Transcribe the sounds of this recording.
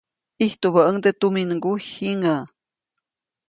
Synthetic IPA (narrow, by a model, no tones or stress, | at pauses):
iht̪uβaʔəŋd̪et̪uminɡuhiŋa